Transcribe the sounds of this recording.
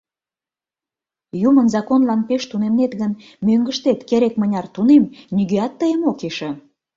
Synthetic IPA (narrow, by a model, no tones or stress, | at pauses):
jumənzɑkonlɑnpeʃt̪unemnet̪ɣən | møŋɡəʃt̪et̪keɾekmənʲɑrt̪unemnʲyɣeɑt̪ːəjəmokeʃĕ